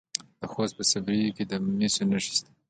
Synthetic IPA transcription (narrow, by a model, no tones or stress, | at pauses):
d̪̥əxost̪̚pəsabɾijoked̪əmisonaʃi̥st̪a